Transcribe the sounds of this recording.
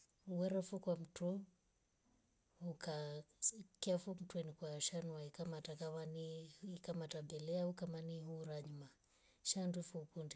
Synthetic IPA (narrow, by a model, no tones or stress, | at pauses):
uwɛɾafukwam̩tu | uka | kafum̩twɛnikwaʃanwaikamatakamaniikamatabɛlɛaukamaniɦuɾaɲuma | ʃandufukundi